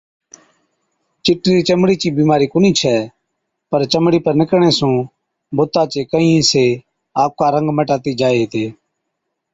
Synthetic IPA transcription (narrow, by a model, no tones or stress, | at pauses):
t͡ʃɪʈːiːɾiːt͡ʃəmɽiːt͡ʃĩːbiːmaːɾiːkʊniːt͡ʃʰɛː | pəɾt͡ʃəmɽiːpəɾnɪkɳeːsũː | bʊt̪aːt͡ʃeːkəɦĩːseː | aːp̚kaːɾə̃ŋɡməʈaːt̪iːd͡ʒaːeːɦt̪eː